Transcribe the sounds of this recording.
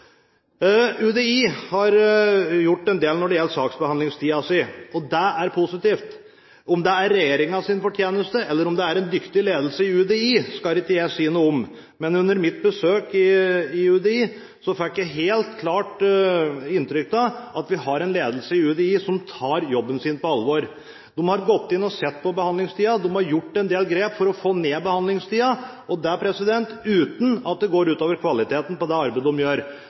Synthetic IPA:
ʉd̪eiːhɑɾjʊʈːɛnd̪eːlnɔɖɛjɛlːəsɑːksbəhɑnd̪ɪŋst̪ʰiːɑsɪɔd̪ɛæɾpʰʊsɪt̪iːft̪ | ɔmd̪ɛæɾːɛjeːɾɪŋɑsɪnfɔʈʰjeːnəst̪əɛlːəɾɔmd̪ɛæɾɛnd̪ʏkt̪ɪleːd̪lsəɪʉd̪eiːskɑlɪkːəjæɪsiːənuːəɔm | mɛnʉnːəɾmɪt̪̚bəsøːkɪɪʉd̪ɛiː | sɔfɪkːjæɪɦeːlt̪kʰlɑːʈ | ɪnt̪ɾʏk̚t̪ɑɑt̪ʋɪhɑɾɛnleːd̪əlsəɪʉːd̪ɛiːsɔmt̪ʰɑːɾjɔbːənsiːnpɔɑlːʋoːɾ | d̪̥ɔmhɑɾɡɔt̪ːɪnːɔsɛt̪ːpɔbəhɑnɪŋst̪iːɑd̪ɔmhɑɾjʊʈːɛnd̪eːlɡɾeːpfɔɾɔfoːneːbəhɑnd̪lɪŋst̪ʰiːɑ | ɔd̪æpʰɾɛsɪd̪ɛnt̪ʉːt̪nɑt̪̚d̪ɛɡoːɾʉːt̪oːʋəɾkʰʋɑlɪt̪ʰeːt̪n̩pɔd̪ɛɑɾbeɪd̪əɔmjøːɾ

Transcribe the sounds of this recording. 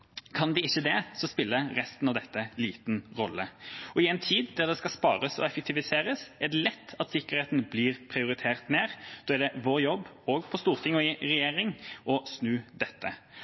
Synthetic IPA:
kʰɑnd̪ɛɪçːəd̪ɛsɔspɪlːəʁɛst̪n̩ɑʋd̪ɛt̪ːəliːt̪nʁɔlːəɔɪɛnt̪ʰiːd̪d̪æʁd̪ɛskɑspɑːɾəsɔ̰ɛfək̚t̪ɪʋɪseːɾəsɛæd̪ɛlɛt̪ːɑt̪sɪkːəʁheːt̪n̩bliːʁpʰɾɪʊɾɪt̪ʰeːʁt̪meːʁd̪̥oːæd̪ɛʋoːʁjɔbː | oːɡpʰɔst̪uːʁt̪ʰɪŋɔɪɾɛjeːɾɪŋɔsnʉːd̪ɛt̪ːə

